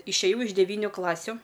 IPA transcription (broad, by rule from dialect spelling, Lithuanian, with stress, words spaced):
ɪʃʲeːˈjɛʊ ɪʃ dʲɛˈʋʲiːnʲʊ ˈklˠɑːsʲʊ